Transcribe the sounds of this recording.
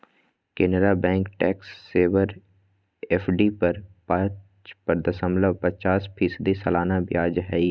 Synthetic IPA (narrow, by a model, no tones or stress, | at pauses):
keːnɾabɛ̃ːŋkʈɛːksːeːʋəɾ | eːpʰɖipəɾpə̃ | t͡ʃpəɾd̪əsə̃mləʋpət͡ʃaːspʰiːsəd̪isɐlaːnabjaːd͡ʒɦɛi